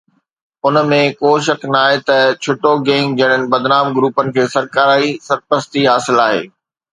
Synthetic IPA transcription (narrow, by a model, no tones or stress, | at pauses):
ʊnəmẽkoːʃɐknaːɦet̪ɐt͡ɕʰʊʈoɡẽːŋɡ̚d͡ʑɐɪɽ̃ənɪ̆bɐd̪naːmɡɾuːpənɪ̆kʰeːsɐɾkaːɾaːisɐɾpəst̪iɦaːsɪlaːɦḛː